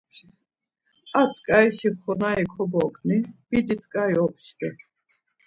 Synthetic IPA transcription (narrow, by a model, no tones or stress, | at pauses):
at͡sʰkʼaiʃiχɔnaikʰɔbɔkʼnib̥id̪isʰʼkʼaiɔpʰʃd̪ɛ